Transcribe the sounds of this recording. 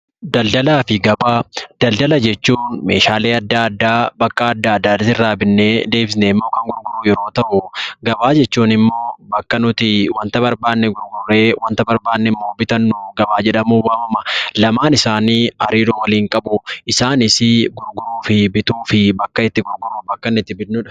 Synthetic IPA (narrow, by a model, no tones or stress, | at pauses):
d̪ɐld̪ɐlaːfɪɡɐbaːd̪̥ɐld̪ɐlɐd͡ʒɛt͡ʃːuːnme̞̰ːʃaːle̞ːɐd̪ːaɐd̪ːaːbɐkʼːɐːd̪ːaːɐd̪ːaːt̪ɪsɪrːaːbɪnːeːd̪e̞ːbsneɪmːo̞ːkɐŋɡʊɾɡʊɾuːjɛɾo̞ːt̪ɐʔʊɡɐbaːd͡ʒɛt͡ʃːuːnɪmːo̞ːbɐkːɐnʊt̪ɪwɐnt̪ɐbɐɾbaːnːɛɡʊɾɡʊrːeːwɐnt̪ɐbɐɾbaːnːɛmːo̞ːbɪt̪ɐnːʊɡɐbaːd͡ʒɛᶑɐmuːwaːmɐmɐlɐmaːnɪsaːniːɐ̰ɾiːɾoːwɐliːŋkʼɐbʊʔɪsaːnɪsɪɡʊɾɡʊɾuːfɪbɪt̪uːfɪbɐkːɐɪt̪ːɪɡʊɾɡʊɾːʊbɐkːɐnɪt̪ːɪbɪʊᶑ